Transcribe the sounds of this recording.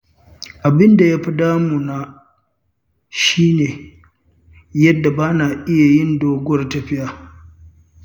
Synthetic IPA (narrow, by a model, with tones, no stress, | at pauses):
ʔa˨bɪ˦nda˨ja˦ɸi˦daː˦mu˨na˦ | ʃiː˦neː˨ | jɐ˦dːa˨baː˦naː˨ʔɪ˦ja˨jɪ˦˨ndoː˦ɡʷɐ˦rtɐ˨ɸɪ˦jaː˨